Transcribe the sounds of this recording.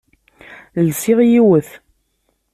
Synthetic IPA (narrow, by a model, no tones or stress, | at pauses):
lsɪʁjiwəθ